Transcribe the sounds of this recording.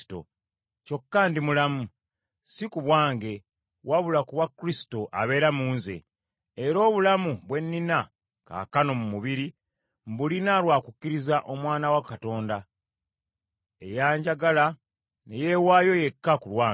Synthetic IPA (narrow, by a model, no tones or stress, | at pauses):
to̰ | co̞kːaːndimulamu | sikuβwaːŋɡe̞ | waβulakuβwakːuɾisi̥to̞ʔa̰βe̞ːɾamuːnzḛː | ɾo̞ːβulamuβwe̞nːina | ka̰kano̞mumuβiɾi | mbulinalwaːkukːiɾizaʔo̞mwaːnawakato̞ːnda | e̞̰jaːɲɟaɡala | nejewaːjo̞je̞kːakulwaː